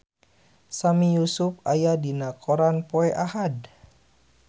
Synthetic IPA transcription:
samijusupajadinakʰoɾanpoɛʔahad

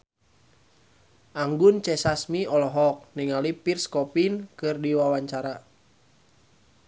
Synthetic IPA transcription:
ʔaŋɡunt͡ʃɛsasmiɔlɔɦɔk̚niŋalipirskɔpinkɨrdiwawaɲt͡ʃaɾa

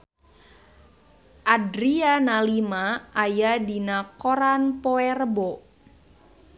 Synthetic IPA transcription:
ʔadɾianalimaajadinakoɾanpoɛrbo

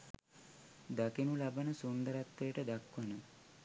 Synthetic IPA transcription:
d̪akinulabanəsund̪əɾat̪ːejəʈəd̪akʋɐnə

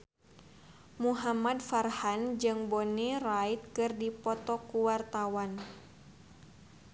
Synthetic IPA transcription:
muɦamadfarhand͡ʒɨŋbɔnirait̪̚kɨrdipɔt̪ɔkuwart̪awan

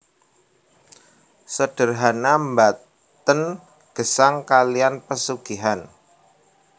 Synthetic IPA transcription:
səɖ̥ə̤rɦanambat̪ | ən | ɡ̥ə̤saŋkalianpəsuɡ̥iɦan

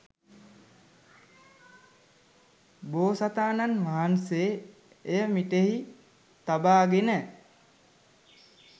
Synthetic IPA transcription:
boːsat̪aːnanʋaɦanseː | jəmiʈeɦi | t̪abaːɡenə

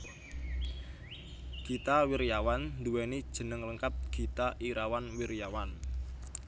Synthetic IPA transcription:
ɡ̥it̪awirjawand̪uwɛnid̥ʒ̥ə̤nəŋləŋkat̪̚ɡ̥i̤t̪aʔiɾawanwirjawan

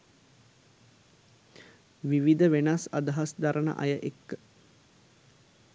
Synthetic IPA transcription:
ʋiʋid̪əʋenasad̪ɐɦasd̪aɾʔənə̰ʔɐ̰jəʔekːə

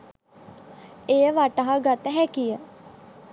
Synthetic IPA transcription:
ejəʋaʈaɦəɡat̪əɦɛkijə

